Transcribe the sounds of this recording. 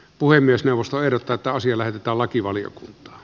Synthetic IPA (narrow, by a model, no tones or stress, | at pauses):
puhemːiesneˑuʋˑost̪oeˑhɾot̪ːɑet̪ːæɑsiɑlæhet̪et̪æːllɑkiʋɑlijo̰kunt̪ˑɑ̥ː